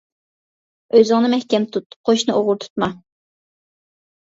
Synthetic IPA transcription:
øzɪŋnɨmɛhkʲɛnt̪ʰut̪qʰoʃnɨʔoʁʊɾt̪ʰu̥t̪mɑ

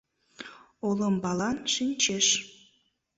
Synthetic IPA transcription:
oləmbɑlɑnʃinʲt͡ɕeʃ

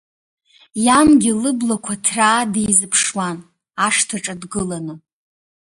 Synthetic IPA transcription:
jamɡʲɪlɨblakʷʰatʰraːdejzɨpʰʂwan | aʂtʰaʈ͡ʂʼadɡɨlanɨ

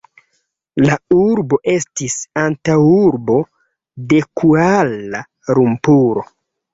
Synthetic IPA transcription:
lauɾbo̞ʔe̞stisantawuɾbo̞ | de̞kʰuala | ɾumpuɾo̞̰

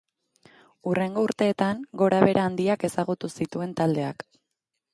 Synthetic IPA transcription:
ure̞ŋɡo̞uɾt̪e̞ːt̪aŋɡo̞ɾaβe̞ɾʔaːnd̪iake̞saɣut̪usit̪ue̞nt̪ald̪e̞ak

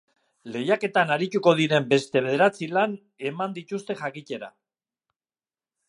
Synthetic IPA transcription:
le̞jake̞t̪anaɾit̪uko̞ðiɾe̞mbe̞st̪e̞βe̞ðeɾat͡silan | e̞mand̪it̪ust̪e̞ʝakice̞ɾa̰

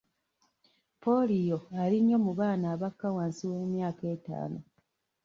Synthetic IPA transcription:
po̞lijoaliɲːo̞muβaːnaːβakːawaːnsiwe̞ːmjaːke̞ːta̰ːno

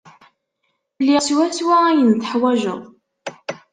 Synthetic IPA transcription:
lːiswæswææjənt̪ə̥ħwæʒə̰ʁˤ

